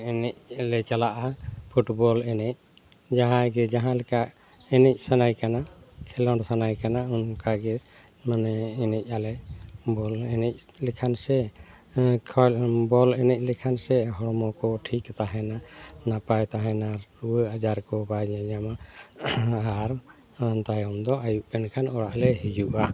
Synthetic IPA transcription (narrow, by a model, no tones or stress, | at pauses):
ɛnɛc̚alɛt͡ʃalaʔapʰuʈbɔlɛnɛc̚ | d͡ʒaɦãɡɛd͡ʒaɦãlɛkaʔɛnɛc̚ˀsanajkanakʰɛlɔɖsanajkanaunkaɡɛ | manɛːnɛc̚ˀalɛbɔlɛnɛc̚ | lɛkʰansɛ | kʰɔbɔlɛnɛc̚ˀlɛkʰansɛɦɔɽmɔkɔʈʰikt̪aɦɛnanapajt̪aɦɛnauəad͡ʒaɾkɔbajɲɛɲama | aɾ | nt̪ajɔmd̪ɔajuʔpɛnkʰanɔɽaʔlɛɦid͡ʒuʔa